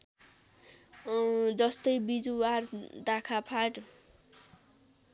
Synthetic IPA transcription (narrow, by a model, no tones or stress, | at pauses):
d͡zʌst̪ʌjbid͡zuward̪akʰapʰaʈ